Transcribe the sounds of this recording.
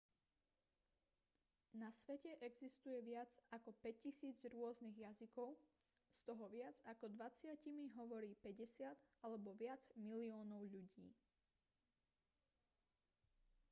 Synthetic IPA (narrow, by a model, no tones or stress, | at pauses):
nasʋɛcɛʔɛɡzist̪ujɛʋɪad͡zakɔpɛccːisiːd͡zɾʊɔzniɣjazikɔʊ | st̪ɔɦɔʋɪad͡zakɔd̪ʋat͡sɪacimiɦɔʋɔɾiːpɛɟɛsɪad̪alɛbɔʋɪad͡zmiliɔːnɔʊʎuɟiː